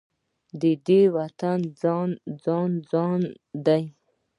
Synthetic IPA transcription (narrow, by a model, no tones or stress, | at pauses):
d̪əd̪ewat̪and͡zɑnd͡zɑnd͡zɑn | d̪aj